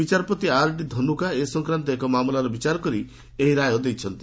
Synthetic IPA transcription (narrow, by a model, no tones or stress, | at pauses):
bit͡ʃaɾɔpɔt̪iaɾʈid̪ʱɔnukaesɔŋkɾant̪ɔekɔmamulaɾɔbit͡ʃaɾɔkɔɾi | eɦiɾajɔd̪ejt͡ʃʰɔnt̪i